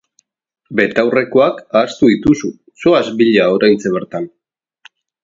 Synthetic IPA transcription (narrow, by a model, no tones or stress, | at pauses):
be̞t̪awre̞ko̞akaːst̪uðit̪usu | so̞azbiʎao̞ɾajnt͡se̞βe̞ɾt̪an